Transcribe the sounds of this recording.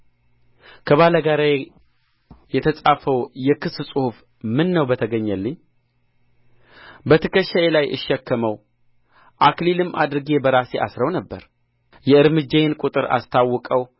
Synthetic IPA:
kʰəβaləɡaɾa | jɛt̪ʰəsʼafəwjɛkʰɨssʼɨhuf | mɨnːəwbət̪ʰəɡəɲːəlːɨɲː | bət̪ʰəkəʃːaelajʔɨ̰ʃːɛkːəməw | ʔaklilɨmʔa̰d̪ɾɨɡe̞bəɾase̞ʔa̰sɾəwnəbːəɾ | jɛɨɾmɨd͡ʒːajenkʷʼut̪ʼɨɾa̰st̪ʰawːɔkʼəw

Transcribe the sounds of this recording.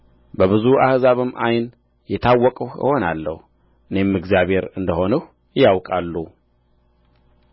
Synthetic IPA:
bəβɨzuahzaβɨmːajn | jɛt̪ʰawːɔkʼəhə̰ho̞nalːə̰h | ʔɨne̞mːɨɡzijaβe̞ɾɨnd̪əho̞nəh | ɪjawkʼalːu

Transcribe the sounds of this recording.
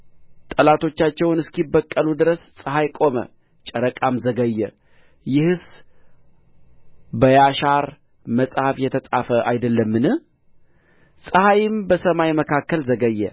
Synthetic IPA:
t̪ʼəlat̪ʰo̞t͡ʃːat͡ʃːɛwnɨskibːəkʼːəlud̪ɨɾəssʼɨɦajkʼo̞mə̰ | t͡ʃʼəɾəkʼamzəɡəjːɛ | jɪhɨs | bəjaʃaɾ | məsʼhafjɛt̪ʰəsʼafəʔajd̪əlːəmːɨnɨ | sʼəhajɪmbəsəmajməkʰakːəlzəɡəjːɛ̰

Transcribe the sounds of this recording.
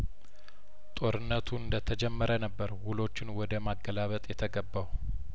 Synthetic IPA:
t̪ʼo̞ɾɨnːət̪ʰuɨnd̪ət̪ʰəd͡ʒɛmːəɾənəbːəɾwulo̞t͡ʃːɪnwɔd̪əmaɡːəlaβət̪ʼjɛt̪ʰəɡəbːaw

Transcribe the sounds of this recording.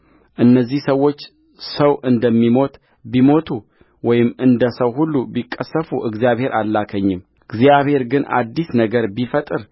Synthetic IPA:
ʔɨnːəzːihsəwo̞t͡ʃː | səwʔɨnd̪əmːimo̞t̪ | bimo̞t̪ʰu | wɔjɪmɨnd̪əsəwɦulːubikʼːəsːəfuʔɨɡzijaβhe̞ɾʔalːakʰəɲːɪm | ɨɡzijaβhe̞ɾɡɨnʔa̰d̪ːisnəɡəɾbifət̪ʼɨɾ

